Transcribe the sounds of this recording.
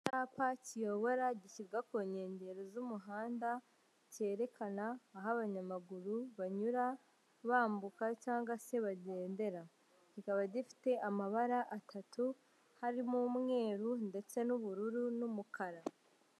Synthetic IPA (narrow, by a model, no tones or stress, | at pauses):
taːpacijo̞βo̞ɾaɟiciɾɡakoɲe̞ːɲɟe̞ɾozumuɦaːnda | ce̞ːɾe̞kʰanaːɦaβaɲamaɡuɾuβaɲuɾa | βaːmbukacaːŋɡwase̞βaɟe̞ːnde̞ɾa | ɟikaβaɟifi̥te̞ʔamaβaɾaʔatʰatu | haɾimumŋe̞ːɾunde̞t͡se̞nuβuɾuɾunumukaɾa